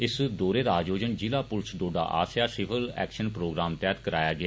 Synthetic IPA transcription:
ɪsd̪oːɾeːd̪aːd͡ʒoːd͡ʒənd͡ʒɪlaːpʊlsd̪oːɖa̰ːʔa̰ːsjaːsɪʋəlɛ̰ːkʃənpɾoːɡɾaːmt̪ɛːt̪kəɾa̰ːjaːɡɪaː

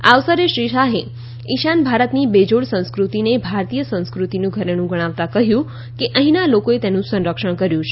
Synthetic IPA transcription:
aʋsəɾeʃɾiʃaɦe | iʃanbʱaɾət̪nibed͡ʒoɽsə̃ñskɾut̪inebʱaɾt̪ijəsə̃nskɾut̪inũɡʱəɾenũɡəɽ̃aʋt̪akəɦjũ | keʔəɦĩnalokoet̪enũsə̃nɾəkʃəɽ̃kəɾjũt͡ʃʰe

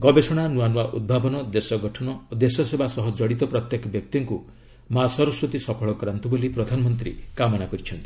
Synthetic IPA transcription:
ɡɔbesɔɽ̃anuanuwaʔud̪̚bʱabɔnɔd̪esɔɡɔʈʰɔnɔod̪esɔsebʱasɔɦɔd͡ʒɔɽit̪ɔpɾɔt̪jekɔbjɔk̚t̪iŋku | masɔɾɔsɾut̪isɔpʰɔɭɔkɔɾant̪ubolipɾɔd̪ʱanɔmɔnt̪ɾḭkamɔɽ̃akɔɾit͡ʃʰɔnt̪i̥

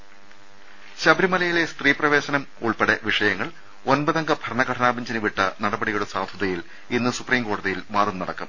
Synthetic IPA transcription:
ɕɐbɾimɐlɐjile̞st̪riːprɐʋe̞ːɕɐnɐm | uɭpeɽɐʋiʂɐjɐŋːɐɭ | o̞nbɐðɐŋɡɐbʱɐɾɐɳɐɡɐʈʰɐnaːbɐɲd͡ʑɐnɨʋiʈːɐnɐɽɐbɐɽijuɽesaːd̪ʱjɐðɐjil | inːɨsupriːmɡoːɽɐðijilmaːðɐmnɐɽɐkːɐm

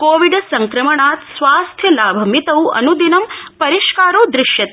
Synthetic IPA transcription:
koːʋiɖɐsɐŋkɾɐmɐɳaːt̪sʋaːst̪ʰjɐlaːbʱɐmit̪ɐwɐ̰nud̪inɐmpɐɾiʃkaːɾoːd̪ɾɪʃjɐt̪

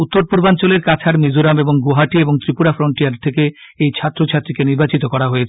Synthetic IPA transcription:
ut̪ːoɾpuɾbant͡ɕoleɾkat͡ɕʰaɾmid͡ʑoɾameboŋɡoɦaʈieboŋt̪ɾipuɽafɾoɳʈijaɾt̪ʰeke | ejt͡ɕʰat̪ːɾot͡ɕʰat̪ːɾikeniɾbat͡ɕit̪okɔɾaɦoet͡ɕʰe̥

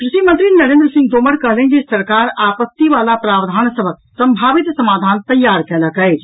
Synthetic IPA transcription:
kɾiʃimənt̪ɾinəɾend̪ɾəsĩŋɡ̚d̪oməɾkəɦlɛnd͡ʒesəɾkaɾapət̪ːiʋalapɾabd̪ʱansəbʱək̚səmbʱaʋit̪səmad̪ʱant̪əjːaɾkɛləkɛɪt͡ʃʰ

